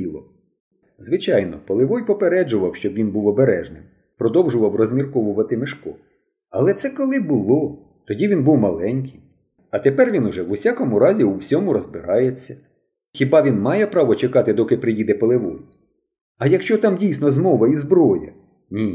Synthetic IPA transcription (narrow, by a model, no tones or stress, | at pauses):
ilˠɔ | zʋɪt͡ʃɑjnɔpɔlˠɪʋɔjpɔpeɾɛd͡ʒʊʋɐwʃt͡ʃɔbʋʲinbuwɔbeɾɛʒnɪ̰m | pɾɔd̪ɔwʒʊʋɐwrɔzʲmʲirkɔʋʊʋɐt̪ɪmɪʃkɔ | ɐlˠɛt̪sɛkɔlˠɪbʊlˠɔ | t̪ɔdʲiʋʲinbuwmɐlˠɛnʲkɪj | ɐt̪epɛrʋʲinʊʒɛʋʊsʲakɔmʊɾɑzʲiuwsʲɔmʊɾɔzbɪɾɑjet͡sʲːɐ̥ | xʲibɑʋʲinmɑjɛpɾɑʋɔt͡ʃekɑt̪ɪd̪ɔkɪpɾɪjid̪ɛpɐlˠɪʋɔ̰j | ɐjɐkʃt͡ʃɔt̪ɑmdʲijsʲnɔzmɔʋɐizbɾɔjɐ̰ | nʲi